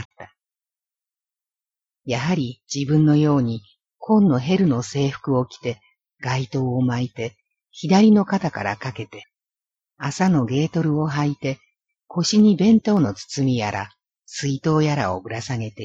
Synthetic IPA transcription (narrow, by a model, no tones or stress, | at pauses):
t̪ːa | jaɦaɾʲid͡ʑibɯ̟̃nːo̞jo̞ːɲ̟i | kʰõ̞nːo̞ɦe̞ɾɯ̟no̞se̞ːɸɯ̥kɯ̟o̞kʲi̥t̪e̞ | ɡ̥ait̪o̞ːomait̪e̞ | çid̪aɾʲino̞kat̪aka̰ɾakake̞t̪e̞ | asano̞ɡe̞ːt̪o̞ɾɯ̟o̞ɦait̪e̞ | kʰo̞ɕiɲ̟ibẽ̞nt̪o̞ːno̞t͡sɨ̥t͡sɨmʲijaɾʔa̰ | sɨit̪o̞ːjaɾa̰o̞̰bɯ̟ɾasaɡe̞t̪e